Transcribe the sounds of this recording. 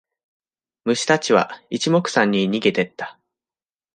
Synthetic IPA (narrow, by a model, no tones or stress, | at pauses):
mɯ̟ɕi̥t̪at͡ɕiβa̰it͡ɕimo̞kɯ̟̥sãɲ̟ːiɲ̟iɡe̞t̪e̞t̪ːḁ